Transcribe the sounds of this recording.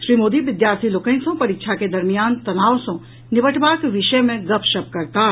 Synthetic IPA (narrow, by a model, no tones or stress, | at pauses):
ʃɾiːmoːd̪iʋɪd̪jaːɾt̪ʰiloːkə̃ksõpɐɾɪkʃʰaked̪ɐɾmijaːnt̪ɐnaːʋsõ | nɪʋəʈʰbaːkʋɪʃəjmẽɡɐpʰʃɐb̚kɐɾt̪aː